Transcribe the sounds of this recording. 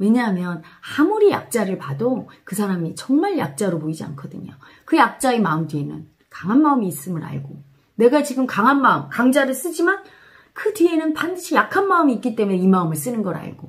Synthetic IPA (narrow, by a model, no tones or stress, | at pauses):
we̞ɲaɦamjʌnhamuɾija̰k̚t͡ɕ͈aɾɯɭpadokɯsʰaɾamit͡ɕʌŋmaɭja̰k̚t͡ɕ͈aɾopoid͡ʑia̰nkʰʌdɯɲo̰ | kɯjak̚t͡ɕ͈aemaɯmdɥie̞nɯ̰n | kaŋɦanmaɯmiːs͈ɯmɯɾa̰ɭɡo | ne̞ɡat͡ɕiɡɯmkaŋɦanmaɯmkaŋd͡ʑaɾɯɭs͈ɯd͡ʑiman | kɯdɥie̞nɯnpandɯɕʰijakʰanmaɯmiːk͈it͈e̞muneimaɯmɯɭs͈ɯnɯnɡʌɾa̰ɭɡ̥o